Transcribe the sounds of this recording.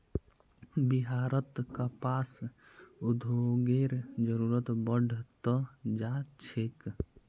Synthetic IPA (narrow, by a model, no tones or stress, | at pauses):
biɦaːɾət̪kapaːs | ud̪ʱoɡeɾd͡ʒəɾuːɾət̪bəɖʱt̪əd͡ʒat͡ʃʰek